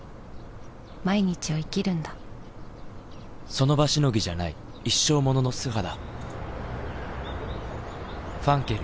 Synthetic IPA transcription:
maiɲ̟it͡ɕioikʲiɾɯ̟̃nd̪a | so̞no̞baɕino̞ɡʲiʑanai | iɕːo̞ːmo̞no̞no̞sɨɦad̪a | ɸãŋkeɾɯ

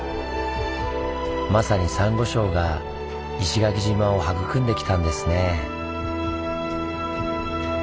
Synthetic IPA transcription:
masaɲ̟isãŋɡo̞ɕo̞ːɡa | iɕiɡak̬ʲiʑimao̞hakɯ̟kɯ̟̃nd̪e̞kʲi̥t̪ãnd̪e̞sɨne̞

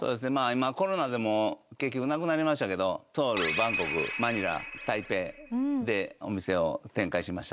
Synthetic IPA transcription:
soːd̪e̞s̬ɨne̞maːimako̞ɾo̞nad̪e̞mo̞kekʲːo̞kɯnakɯ̟naɾʲimaɕi̥t̪ake̞d̪o̞t̪o̞ːɾɯ̟bãŋko̞kɯ̟̰maɲ̟iɾa̰t̪aipe̞ːd̪e̞o̞mʲise̞o̞̰t̪ẽŋkaiɕimaɕi̥t̪a

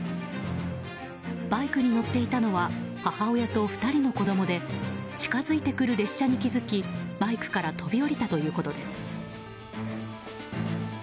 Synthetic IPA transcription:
b̥aikɯ̟ɲ̟ino̞t̪ːe̞it̪ano̞βahahaojat̪o̞ɸɯ̥t̪aɾʲino̞ko̞d̪o̞mo̞d̪e̞t͡ɕi̥kazɨit̪e̞kɯ̟ɾɯ̟ɾe̞ɕːaɲ̟ikʲizɨkʲibaikɯ̟̥kaɾat̪ʰo̞bʲio̞ɾʲit̪at̪o̞jɯ̟ːko̞t̪o̞d̪e̞sɨ̥

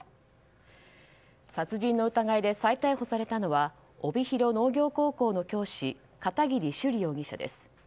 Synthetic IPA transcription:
sat͡sɨʑĩnːo̞ɯ̟t̪aɡaid̪e̞sait̪aiho̞saɾe̞t̪ano̞βa | o̞bʲiçiɾo̞no̞ːɡʲo̞ːko̞ːko̞ːno̞kʲo̞ːɕi | kat̪aɡʲiɾʲiɕɨɾʲijo̞ːɡʲiɕa̰d̪ḛsɨ̥

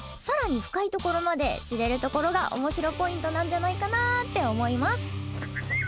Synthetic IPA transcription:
saɾaɲ̟iɸɯ̟̥kait̪o̞ko̞ɾo̞mad̪e̞ɕiɾe̞ɾɯ̟t̪o̞ko̞ɾo̞ɡa̰ʔo̞̰mo̞ɕiɾo̞po̞ĩnt̪o̞nãɲ̟d͡ʑanaikanat̪ːe̞o̞mo̞imasɨ̥

